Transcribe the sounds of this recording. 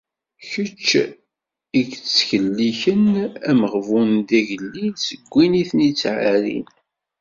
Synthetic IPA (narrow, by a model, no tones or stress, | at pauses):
çət͡ʃː | iɡt͡sːçəlːiçənæməʁvund̪æʝəlːisəɡʷːiniθnit͡sːʕaɾḭn